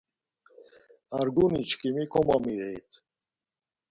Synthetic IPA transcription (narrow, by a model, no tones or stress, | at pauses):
aɾɡunit͡ʃkimikʰɔmamiɾejt̪